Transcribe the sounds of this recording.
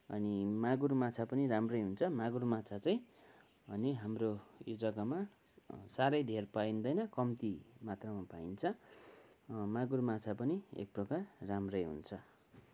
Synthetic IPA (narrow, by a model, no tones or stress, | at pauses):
ʌ̰nimaɡurmat͡sʰapʌniramrʌjɦunt͡sʰʌmaɡurmat͡sʰat͡saj̃ | ʌniɦamrojud͡zʌkama | saɾʌjd̪ʱerpaind̪ʌjnʌkʌmt̪imat̪rʌmapaint͡sʰʌ | maɡurmat͡sʰapʌniḛk̚prʌkarramrʌjɦṵnt͡sʰʌ